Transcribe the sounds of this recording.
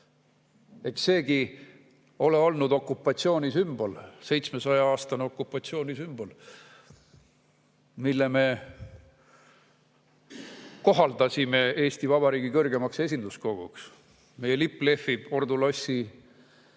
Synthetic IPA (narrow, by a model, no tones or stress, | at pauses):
e̞kse̞ːɡ̥i | o̞le̞o̞lnud̪o̞kːˑupːˑɑt̪sio̞ːnʲisymbo̞lse̞jt̪smesɑjɑɑːst̪ɑneo̞kːˑupːˑɑt̪sio̞ːnʲisymbo̞l | milːeme̞ | ko̞ɦɑld̪ɑsʲime̞e̞ːsʲt̪ivɑbɑɾiːɡikɤrɡe̞mɑkse̞s̬ʲind̪usko̞ɡ̥uks | me̞jelipːˑle̞fːib̥o̞rd̪ulɑsʲːi